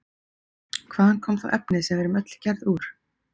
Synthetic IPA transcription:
kʰvaːðhankʰɔːmθa̰wʔɛpnɪsɛmvɛɾʏmœt̪lcʰɛɾðuːɾ̥

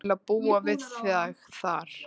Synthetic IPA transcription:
laðpuːavɪðθaɣθaɾ̥

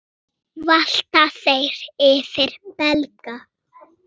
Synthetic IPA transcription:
val̥t̪aθejɾ̥ɪfɪɾ̥pɛlka

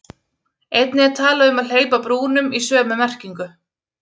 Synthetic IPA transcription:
ejt̪nɪɛɾt̪ʰaːlaʏmaðleːjpapɾuːnʏmisœːmʏmɛr̥ciŋkʏ

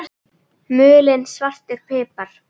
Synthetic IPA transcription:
mʏːlɪnsvar̥t̪ɪɾpʰɪːpaɾ̥

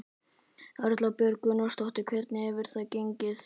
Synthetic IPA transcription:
aɾʏt̪lapjœɾkʏnɔst̪ɔht̪ɪkʰvɛt̪nɪɛvɪɾ̥θacejɲcɪs

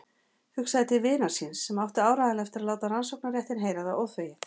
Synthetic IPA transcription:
hʏksaðɪt̪ʰɪlvɪːnaɾ̥sinsːɛmawft̪ɪaːwɾajðɪnɛft̪ɪɾaðlaːwt̪aɾansowknaɾjɛht̪ɪnɦeːjɾaðaʔɔwθveːjɪ

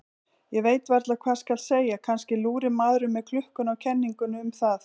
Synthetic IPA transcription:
jɛveːjt̪vɛɾt̪lakʰvḁːskalseːjakʰanscɪluːɾɪmaːðɾʏmːɛðkʰlʏhkʏnawcʰɛnːiŋkʏnʏmθað

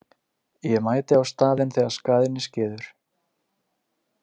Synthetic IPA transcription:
jɛmaːjt̪ɪawst̪aːðɪnθɛːɣaskaːðɪnːɪscɛːðʏɾ̥

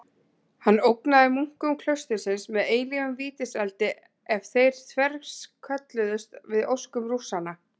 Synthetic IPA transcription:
hanːowknaðɪmuŋ̥kʏmkʰl̥œɥst̪ɪsɪnsmɛðeːjliɣʏmviːt̪ɪsɛlt̪ɪ | ɛvθejɾ̥t̪ʰvɛɾskʰœt̪lɪðʏst̪vɪðowskʏmrusana

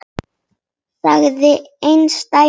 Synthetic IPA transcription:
saɣðɪejnst̪a

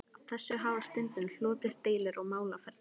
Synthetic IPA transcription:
awθɛsːʏɦaːvast̪ɪnt̪ʏnl̥ɔːt̪ɪst̪eːjlɪɾɔɣmaːwlafɛɾt̪

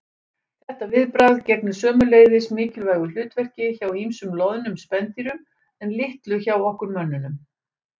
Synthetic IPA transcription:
θɛht̪avɪðpɾaðcɛt̪nʏ̥sœːmʏleːɣðɪsmɪːcɪlvaːjɣʏl̥ʏːt̪vɛr̥cɪçawhimsʏmlɔðnʏmspɛnt̪iɾʏ | ɛnlɪht̪lʏçawɔhkʏɾmœnːʏnʏm

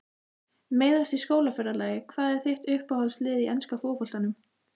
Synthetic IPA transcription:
meːjðast̪iskoːwlafœɾalaːjɪkʰvaːðɛɾ̥θɪht̪ʏhpahɔlslɪːðiʔɛnskafɔːpɔl̥t̪anʏm

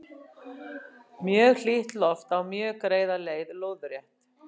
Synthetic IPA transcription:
mjœːɣl̥iht̪lɔft̪awmjœːɣkɾeːjðaleːjðloːwðʏɾrjɛht̪

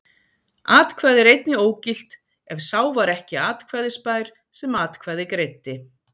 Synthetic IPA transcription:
aːt̪kʰvaːðɪɾejt̪nɪoːwcɪl̥t̪ | ɛv̥saːwvaɾɛhcɪaːt̪kʰvɛðɪspaːjɾ̥ | sɛmaːt̪kʰvɛðɪkɾejt̪ːɪ

